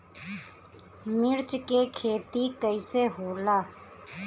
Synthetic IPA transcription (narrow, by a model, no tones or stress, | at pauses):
mɪɾt͡ʃkeːkʰeːt̪ikəiseːɦoːlaː